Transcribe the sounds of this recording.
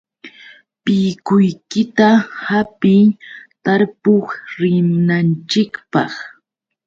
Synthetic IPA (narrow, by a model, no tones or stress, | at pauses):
pɪjkʊjkɪt̪ahapɪjt̪aɾpoχɾɪmnant͡ʃɪkpɑ̰χ